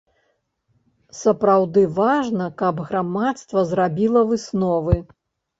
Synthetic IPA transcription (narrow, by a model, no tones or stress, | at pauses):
sɐpɾawd̪ɨvaʐnɐkɐbɣɾamat̪st̪vɐzɾabʲilˠɐvɨsnɔvɨ